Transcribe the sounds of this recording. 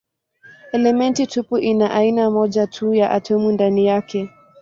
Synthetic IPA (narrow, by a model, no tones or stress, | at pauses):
ɛlɛmɛntitʰupuʔinaʔainamɔʄatʰujaʔatʰɔmundanijakɛ